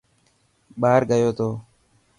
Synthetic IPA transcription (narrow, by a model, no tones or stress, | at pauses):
ɓaːɾɡəjoːt̪ʰoː